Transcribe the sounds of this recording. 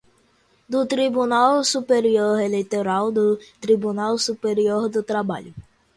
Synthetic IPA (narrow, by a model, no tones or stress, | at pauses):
d̪ʊt̪ɾibunawsupeɾioɾelejt̪oɾawd̪ʊt̪ɾibunawsupeɾioɾd̪ʊt̪ɾaba̰ʎʊ